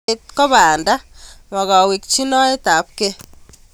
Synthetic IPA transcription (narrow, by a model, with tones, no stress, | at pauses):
et̚kɔ˦βaː˨nda˦ma˨ɣa˨wi˨k̚t͡ʃi˦nɔ˦e˦ta˨˦p̚ke˦